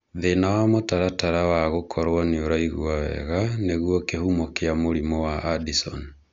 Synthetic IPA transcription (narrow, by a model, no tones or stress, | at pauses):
ðenawamotaɾataɾawaɣokʰɔɾwɔneoɾaiɣwawɛ̰ɣaneɣwɔkehumɔkeamoɾimɔwaʔːdisɔ̰n